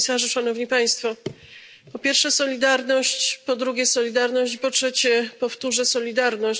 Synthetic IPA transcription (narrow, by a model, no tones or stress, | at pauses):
saʐɘʂan̪ɔvɲipaj̃st̪fɔ | pɔpʲjɛɾfʂɛsɔlʲid̪aɾnɔɕt͡ɕpɔd̪ɾuɡʲɛsɔlʲid̪aɾnɔɕt͡ɕpɔtʂɛt͡ɕɛpɔft̪uʐɛsɔlʲid̪aɾnɔɕ